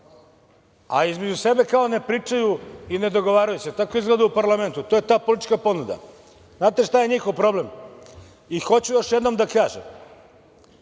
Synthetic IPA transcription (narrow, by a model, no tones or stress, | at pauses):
aizmed͡ʑuse̞be̞kaone̞pɾiːt͡ʂajuine̞d̪o̞ɡo̞ʋaːɾajuset̪akoizɡled̪aupaɾlˠame̞nt̪ut̪ojet̪aːpolit̪it͡ʃkapo̞nud̪a̰ | znaːt̪eʃt̪ajeɲixo̞ʋpɾo̞blem | ixo̞t͡ɕujo̞ʃjed̪nomd̪akaːʒḛm